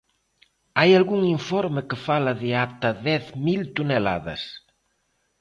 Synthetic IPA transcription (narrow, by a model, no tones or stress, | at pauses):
ajalɣuŋiɱfɔɾmekefalaðeat̪ɐðɛθmilt̪unela̰ðɐ̰s